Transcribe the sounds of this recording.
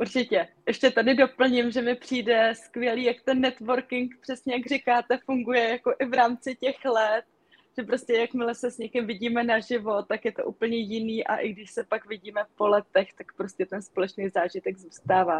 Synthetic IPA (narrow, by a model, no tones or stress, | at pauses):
ʔuɾt͡ʃɪcɛʔɛʃcɛt̪adɪdo̞pl̩ɲɪmʒɛmɪpr̝̥iːdɛskvjɛliːjakt̪ɛnːɛt̪vo̞ɾkɪŋkpr̥ɛsɲɛjaɡrɪkaːt̪ɛfuŋɡujɛjako̞ʔɪvɾaːmt͡sɪcɛxlɛt̪̚ | ʒ̥ɛpɾo̞scɛjakmɪlɛsɛsɲɛkɪmvɪɟiːmɛnaʒɪvo̞t̪ːakjɛt̪o̰ʔuːpl̩ɲɛjɪniːʔa̰ʔɪɡdɪʃsɛpakvɪɟiːmɛpo̞lɛt̪ɛxt̪akpɾoscɛt̪ɛnspo̞lɛt͡ʃnejzaːʒɪt̪ɛɡzuːst̪aːvaː